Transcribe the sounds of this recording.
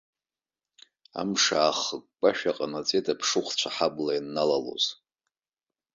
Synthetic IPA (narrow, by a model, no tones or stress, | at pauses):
a̰mʂaːχəkʷːʼaʃᶣaqʼanat͡sʼetʼapʰʂɨχʷt͡ɕʷʰaħablainːalalo̰z̥